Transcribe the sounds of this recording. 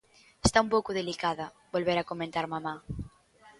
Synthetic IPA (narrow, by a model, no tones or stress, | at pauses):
est̪aumpowkoðelikaðɐ | bolβeɾakomẽnt̪aɾmama